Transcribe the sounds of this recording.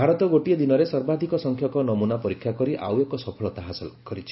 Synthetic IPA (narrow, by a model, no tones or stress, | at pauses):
bʱaɾɔt̪ɔɡoʈied̪inɔɾesɔɾbad̪ʱikɔsɔŋkʰjɔkɔnɔmunapɔɾikʰːjakɔɾiʔa̰wekɔsɔpʰɔɭɔt̪aɦasɔkɔɾit͡ʃʰi̥